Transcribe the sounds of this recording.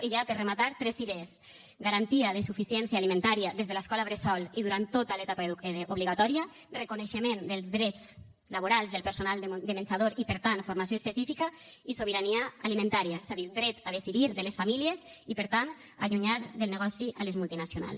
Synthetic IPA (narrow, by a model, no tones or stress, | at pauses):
eʎapəremat̪aɾt̪ɾɛziðez | ɡaɾant̪iaðesufisiɛnsjaːlimẽnt̪aɾiaðezðelaskɔlaβɾesɔliðuɾant̪ːot̪alet̪apaoβliɣat̪ɔɾia | rekuneʃemend̪elˠzðɾɛt͡s | laβoɾalˠzðelˠpeɾsonalˠd̪emensaðoɾipəɾt̪anfoɾmas̬joespesifikaisoβəɾaniaalimẽnt̪aɾiaez̥aðiɾd̪ɾɛt̪aðesiðiɾðəlesfamiljezipəɾt̪an | aʎuɲaɾðelˠneɣɔsiʔalezmulˠt̪inasjona̰lˠs